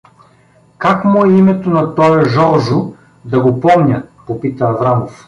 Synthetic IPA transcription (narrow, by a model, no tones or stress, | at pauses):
kakmuɛimɛt̪onɐt̪ɔɛʒɔɾʒʊ | d̪ɐɡopɔmnʲəpopit̪əːvɾamof